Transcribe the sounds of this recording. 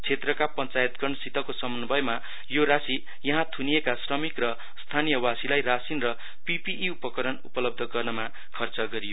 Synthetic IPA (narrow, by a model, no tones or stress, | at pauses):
t͡sʰet̪rʌkapʌnt͡sajet̪̚ɡʌrɳʌsit̪ʌkosʌmʌnbʱʌjma | joɾasi | jʌɦãt̪ʰunijekasrʌmikrʌ | st̪ʰanijʌwasilajrasinrʌ | pipiʔːupʌkʌɾʌnṵpʌlʌb̚d̪ʱʌɡʌrnʌma | kʰʌrt͡sʌɡʌɾijo